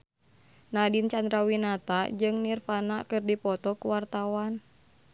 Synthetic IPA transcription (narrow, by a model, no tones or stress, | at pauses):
nadint͡ʃand̪ɾawinat̪ad͡ʒɨŋnirfana̰kɨrdipɔt̪ɔkuwart̪awan